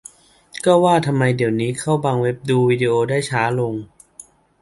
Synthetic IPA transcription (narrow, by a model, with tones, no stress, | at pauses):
kɔː˥˩waː˥˩t̪ʰa˧mːa˧jdi˨˩˦əwniː˦˥kʰa˥˩wbaː˧ŋwe˦˥p̚duː˧wiː˧di˧ʔoː˧daː˥˩jt͡ɕʰaː˦˥lo˧ŋ